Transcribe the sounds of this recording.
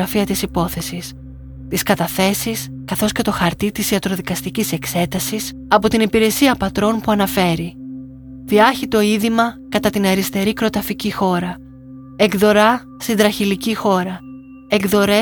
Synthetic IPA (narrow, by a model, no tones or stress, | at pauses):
ɐfiɐt̪isipo̞θe̞sis | t̪iskɐt̪ɐθe̞sis | kɐθo̞sce̞t̪o̞xɐɾt̪it̪isiɐt̪ɾo̞ðikɐst̪icise̞kse̞t̪ɐsis | ɐpo̞t̪inipiɾe̞siɐpɐt̪ɾo̞npuɐnɐfe̞ɾi | ðiɐçit̪o̞iðimɐkɐt̪ɐt̪ineɾist̪e̞ɾikɾo̞t̪ɐficixo̞ɾɐ | eɡðo̞ɾɐ | st̪ind̪ɾɐçilicixo̞ɾɐ | eɡðo̞ɾe